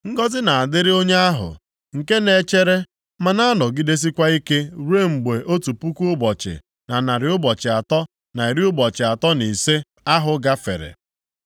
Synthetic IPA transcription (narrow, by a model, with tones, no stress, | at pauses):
ŋ̩˦ɡɔ˦zɪ˦na˨a˨dɪ˦ɾɪ˦o˦ɲe˦a˦ɦʊ̰˨ | ŋ̩˨ke˦ne˨t͡ʃe˦ɾe˦ | ma˨na˦nɔ˨ɡi˦de˦s̬i˦kʷa˦i˦ke˦ɾe˦m̩˨ɡ͡be˨ʔo˦tu˨pu˦ku˦ʊ˦bɔ˨t͡ʃɪ̰˨ | na˨na˨ɾɪ˨˦ʊ˦bɔ˨t͡ʃɪ˨a˨tɔ˦ | na˨i˨ɾi˦ʊ˦bɔ˨t͡ʃɪ˨a˨tɔ˦ni˨se˦ | a˦ɦʊ˨ɡa˦fḛ˨ɾḛ˨